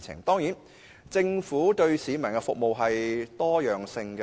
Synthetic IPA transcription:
ɪ̰˨˩ŋt̪ɔː˥ŋjiː˨˥n | t͡sɪ˧ŋfuː˨˥t̪ɵ˧ɥsiː˨˧mɐ˨˩nkɛ˧fʊ˨k̚mo˨wɦɐ˨jt̪ɔː˥jœː˨ŋsɪ˧ŋk

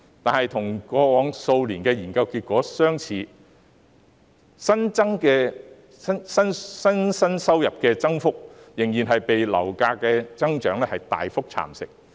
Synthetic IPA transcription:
t̪aː˨nhɐ˨jt̪ʰʊ˨˩ŋkɔː˧wɔː˨˥ŋso˧wliː˨˩nkɛː˧jiː˨˩nkɐ˧wkiː˧t̚kʷɔː˨˥sœː˥ŋt͡sʰiː˧˥ | sɐ˥nt͡sɐ˥ŋkɛː˧ | sɐ˥nsɐ˥nsɐ˥nsɐ˥nsɐ˥wjɐ˨p̚kɛː˧t͡sɐ˥ŋfʊ˥k̚jɪ˨˩ŋjiː˨˩nɦɐ˨jpe˨jlɐ̰˨˩wkaː˧kɛː˧t͡sɐ˥ŋt͡ʃœː˨˥ŋlɛ˥hɐ˨jt̪a̰ː˨jfʊ˥k̚t͡sʰa̰ː˨˩msɪ̰˨k̚

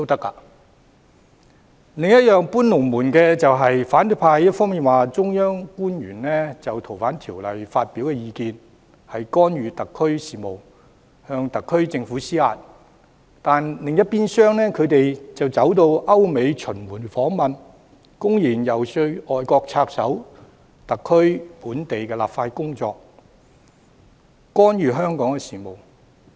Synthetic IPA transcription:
t̪o˥wt̪ɐ˥kːa̰ː˧ | lɪ˨ŋjɐ˥t̚jœː˨ŋpuː˥nlʊ˨˩ŋmuː˨˩nkɛː˧t͡sɐ˨wɦɐ˨jfaː˨˥nt̪ɵ˨˥pʰaː˧jjɐ˥t̚fɔː˥miː˨nwaː˨t͡sʊ˥ŋjœː˥ŋkuː˥njɥyː˨˩nlɛː˥t͡sɐ˨wt̪ʰo˨˩wfaː˨˥nt̪ʰiː˨˩wlɐ̰˨jfaː˧t̚piː˨˥wkɛː˧jiː˧kiː˧n | hɐ˨jkɔː˥nɥyː˨˧t̪ɐ˨kʰːɵ˥ɥsiː˨˩mo˨˩w | hœː˧ŋt̪ɐ˨kʰːɵ˥ɥt͡sɪ˧ŋfuː˨˥siː˥a̰ː˨˧t̚ | t̪aː˨nlɪ˨ŋjɐ˥t̚piː˥nsœː˥ŋnɛː˥kʰɵ˨˧ɥt̪e˨jt͡sɐ˨wt͡sɐ˨˥wt̪o˧wʔɐ˥wme˨˧jt͡ʃʰɵ˨˩nmuː˨˩nfɔː˨˥ŋmɐ˨n | kʊ˥ŋjiː˨˩njɐ˨wsɵ˧ɔː˨jkɔː˧k̚t͡sʰaː˧k̚sɐ˨˥w | t̪ɐ˨kʰːɵ˥ɥpuː˨˥nt̪e˨jkɛː˧la̰ː˨pfaː˧tkʊ˥ŋt͡sɔː˧k̚ | kɔː˥njyː˨˧ɦœː˥ŋkɔː˨˥ŋkɛ˧siː˨˩mo˨˩w

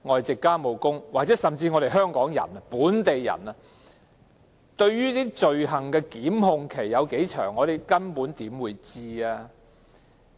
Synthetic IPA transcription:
ŋɔː˨jt͡sɪ˨kːaː˥mo˨˩wkʊ˥ŋwaː˨k̚t͡sɛː˨˥sɐ˨mt͡siː˧ŋɔː˨˧ɾe˨jɦœː˥ŋkɔː˨˥ŋjɐ̰˨˩nɐ˧puː˨˥nt̪e˨jːɐ̰˨˩nɐ˧ | t̪ɵ˧ɥjyː˥t̪iː˥t͡ʃɵ˨ɥɦɐ˨˩ŋkɛː˧kiː˨˥mhʊ˧ŋkʰe˨˩jːɐ˨˧wke˨˥jt͡ʃʰœ̰ː˨˩ŋːɔː˨˧t̪e˨jkɐ˥npuː˨˥nt̪iː˨˥mwuː˨˧jt͡siː˧aː˧

